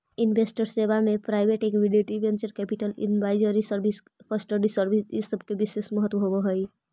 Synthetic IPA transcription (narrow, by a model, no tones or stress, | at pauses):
inbesʈəɾsebamepɾaɪbʱeʈekbiɖeʈibent͡ʃəɾkɛpiʈəlḭnbaɪd͡ʒəɾisəɾbʱis | kəsʈəɖisəɾbʱisisəb̚ʱkebisesməɦət̪ʋəɦobəɦəj